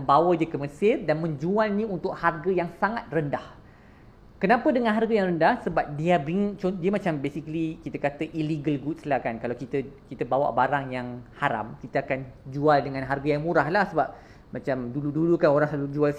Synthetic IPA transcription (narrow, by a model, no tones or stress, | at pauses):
əbawədəkəməsɪrdanmə̃ɲd͡ʒualnĩunt̪ʊk̚harɡəjaŋsaŋat̪̚rəndah | kənãpədəŋãnɦarɡajaŋrəndahsəbap̚diabɾiŋt͡ʃodiəmat͡ʃambesikəlikit̪əkat̪əʔiliɡəlɡut̪slahkankalawkit̪əkit̪əbawa̰ʔbaɾaŋjaŋhaɾa̰mkit̪əakand͡ʒualdəŋãnɦarɡajaŋmũɾahlahsəbap̚ | mat͡ʃamduludulukanoɾaŋsalud͡ʒual